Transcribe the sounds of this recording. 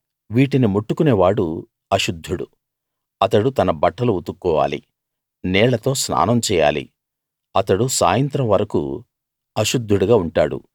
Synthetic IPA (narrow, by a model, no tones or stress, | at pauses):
ʋiːʈinimuʈːukuneːʋaːɽu | ɐʃud̪ʱːuɽṵ | ɐt̪ɐɽut̪ɐnɐbɐʈːɐluut̪ukːɔːʋa̰ːlḭ | nɛːɭɐt̪o̞ːsna̰ːnɐmt͡ʃɛːja̰ːlḭ | ɐt̪ɐɽusa̰ːjɐnt̪ɾɐmʋɐɾɐkṵ | ɐʃud̪ʱːuɽuɡaːuɳʈaːɽṵ